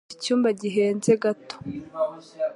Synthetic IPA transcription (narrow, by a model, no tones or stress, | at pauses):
icuːmbaɟiɦe̞ːnze̞ɡato̥